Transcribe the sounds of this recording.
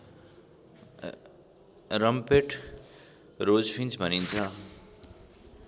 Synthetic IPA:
ɾʌmpeʈʰ | ɾoːd͡zpʰĩnt͡sbʱʌnint̪ʰʌ

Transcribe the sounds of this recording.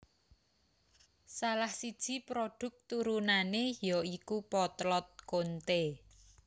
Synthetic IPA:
salahsid̥ʒ̥i̤pɾoɖ̪̥ʊ̤k̚t̪uɾunanejɔikupɔt̪lɔt̪̚kont̪e

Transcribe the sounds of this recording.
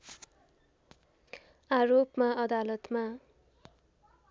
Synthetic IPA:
aɾopmaʌd̪alʌt̪ma

